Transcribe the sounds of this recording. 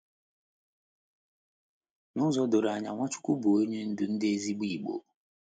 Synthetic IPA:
nʊ˦zɔ˦do˨ɾa˨ɲa̰˨ŋʷa˦t͡ʃʊ̥˦kʷu˦bo˨o˦ɲe˦n̩˦dʊ˨n̩˦de˦zi˦ɡ͡bi˦˨ɡ͡bo̰˨

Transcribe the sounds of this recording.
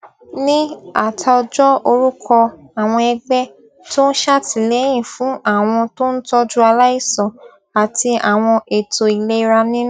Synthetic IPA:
nĩ˦a˦˨tʰa˧ɔ˧d͡ʒɔ˦o˧ɾu˦kʰɔ˧ | a˨w̃ɔ̃˧ɛ˧ɡ͡bɛ˦ | to˦n̩˦ʃa˦ti˨le˨˦j̃ĩ˦˨fũ˨˦a˦˨w̃ɔ̃˧to˦n̩˦tɔ˦d͡ʒu˦a˧la˦i˦˨sɔ̃˨ | a˨ti˧a˨w̃ɔ̃˧e˨to˨i˨le˦i˧ɾa˧nĩ˦ñ˦

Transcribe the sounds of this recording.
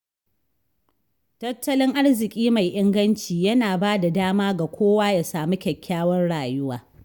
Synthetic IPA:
tɐ˦tːɐ˦lɪ˦ŋʔa˦ɽzɪ˨kʲʼiː˦ma˨jʔɪ˦ŋɡɐ˦nt͡ʃiː˨jɐ˦naː˨baː˦da˨daː˦maː˦ɡa˨kʷʰoː˦waː˦ja˨saː˨mu˦kʲɛ˨kʲʰːaː˦wɐ˦nɽaː˨jʊ˦wa̰ː˨

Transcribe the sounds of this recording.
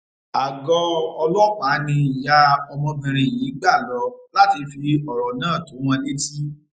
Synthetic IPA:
a˨ɡɔ˧ɔ˧lɔ˦˨k͡pa˨˦nĩ˧˨ja˧ɔ˧mɔ̃˧bĩ˧ɾ̃ĩ˧˨ji˨˦ɡ͡ba˦˨lɔ˧la˦ti˧fi˧ɔ˨ɾɔ˨nãː˦˨to˨˦w̃ɔ̃˧le˦ti˦

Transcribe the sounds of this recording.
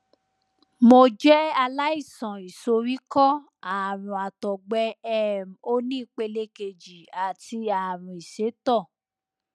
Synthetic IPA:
mo˧d͡ʒɛ˦a˧la˦i˦˨sɔ̃˨i˨so˧ɾi˦kɔ˦ | a˨ɾ̃ũ˨a˨tɔ˨ɡ͡bɛ˧˦ɛ˦˨m˨o˦nĩ˦i˦˨k͡pe˧le˧˦ke˧d͡ʒi˨a˨ti˧a˨ɾũ˨i˨se˨˦tɔ˦˨

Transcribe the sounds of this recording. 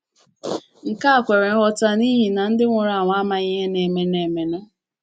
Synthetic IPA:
ŋ̩˨ka˦a˨kʷe˨ɾe˨˦ɦɔ˦ta˦ni˦ɦi˨na˨n̩˦dɪ˦ŋʷʊ˨ɾa˨ŋʷa˨a˦ma˨ɲ˦e˦ne˨me˨ne˨me˨ne˦

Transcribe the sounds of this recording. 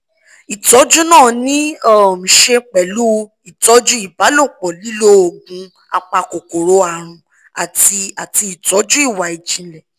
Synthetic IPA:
i˨tɔ˨˦d͡ʒu˦nãː˦˨nĩ˦ɔ˦˨m̩̃˨ʃe˧k͡pɛ˨lu˦ | i˨tɔ˨˦d͡ʒu˦i˦˨ba˨˦lo˦˨k͡pɔ˨li˦lo˦o˨ɡũ˨˧ | a˧k͡pa˧ko˨ko˨ɾo˨˦a˨ɾ̃ũ˧ | a˨ti˧a˨ti˧i˨tɔ˨˦d͡ʒu˦i˦˨wa˨i˨d͡ʒĩ˨˦lɛ˨

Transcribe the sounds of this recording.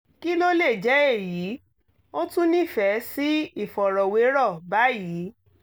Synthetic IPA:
ki˦lo˦le˦˨d͡ʒɛ˨˦e˦˨ji˨˦ | o˦tũ˦nĩ˦˨fɛ˨˦si˦i˦˨fɔ˨ɾɔ˨we˨˦ɾɔ˦˨ba˨˦jiː˨˦

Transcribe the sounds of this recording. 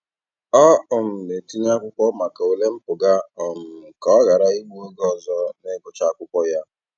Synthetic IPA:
ɔ˦ʊ˨m̩˨me˨ti˦ɲ˦a˦kʷʊ˦kʷɔ˦ma˨ka˨o˨le˦m̩˦pʊ˨ɡa˦ɔ˨m̩˨kɔ˨˦ɣa˨ɾa˦i˦ɡ͡bu˦ɡɔ˦zɔ˦ne˦kʊ˨t͡ʃa˦kʷʊ˦kʷɔ˦ja˦

